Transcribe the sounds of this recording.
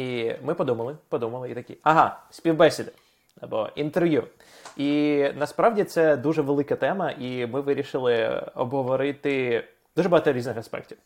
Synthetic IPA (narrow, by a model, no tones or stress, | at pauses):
imɪpɔd̪umɐlˠɪpɔd̪umɐlˠɪit̪ɐkʲiɐɦɑsʲpʲiwbɛsʲɪd̪ɐ | ɐ̰bɔ̰int̪erʋʲju | inɐspɾɑʋdʲit̪sɛd̪uʒɛʋelˠɪkɐt̪ɛmɐʔimɪʋɪɾʲiʃɪlˠɪɔ̰bɦɔʋɔɾɪt̪ɪ | d̪uʐɛbɐɦɑt̪ɔɾʲiznɪxɐspɛ̰k̚tʲiw